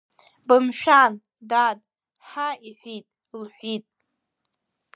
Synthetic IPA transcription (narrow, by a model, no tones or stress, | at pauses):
bɨmʃᶣan | dadʼ | ħaiħʷitʼ | lħʷitʼ